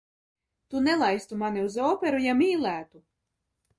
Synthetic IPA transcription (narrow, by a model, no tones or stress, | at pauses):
t̪unɛlˠajst̪umaniuzɔːpʲeɾujamiːlʲˠæːt̪u